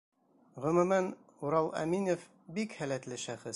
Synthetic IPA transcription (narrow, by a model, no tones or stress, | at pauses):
ʁɵ̆mʉ̆mæn | uɾɑlˠæ̰minʲof | bikhælæt̪lɘʃæχɘs